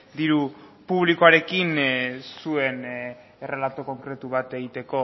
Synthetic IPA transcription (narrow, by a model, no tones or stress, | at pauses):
d̪iɾupuβ̞likoaɾe̞kinsue̞n | e̞re̞lat̪oko̞ŋkɾe̞t̪uβ̞at̪e̞ɣ̞it̪e̞ko̞